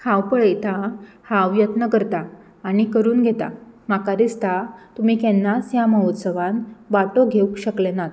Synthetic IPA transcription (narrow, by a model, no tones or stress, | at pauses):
kʰawpəɭejt̪ʰa | haʋjət̪nəkəɾt̪aː | ñikəɾuːnɡʱet̪a̰makaɾist̪at̪um̤iːkɛ̃nːasjaməɦot̪səʋanʋaʈoɡʱeukɕəklenat̪